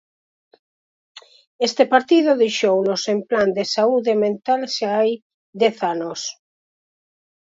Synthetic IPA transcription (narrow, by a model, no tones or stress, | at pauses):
est̪epaɾt̪iðʊðejʃownosempland̪esauðemẽnt̪alʃaaj | d̪ɛθanos